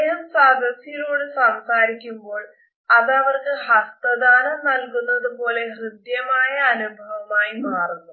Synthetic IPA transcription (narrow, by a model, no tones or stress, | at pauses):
eɦɐmsaːd̪ʱɐsjɐjiloːɽɨsɐmsaːɾikʲːumbo̞ːɭ | ɐðɐʋɐrkɨhɐst̪ɐd̪aːnɐmnɐlkunːɐðupo̞ːle̞hrɨd̪jɐmaːjɐːnubʱɐʋɐmaːjimaːrunːu